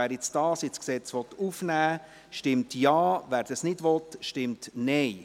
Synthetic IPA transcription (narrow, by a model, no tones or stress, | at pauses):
æːɾjɪt͡sd̥ɑːsjɪsksɛt͡sʋɔt̪ufnæː | ʃtɪmtjɑːʋæːɾd̥ɑsnɪdʋɔtʃtɪmtnɛɪ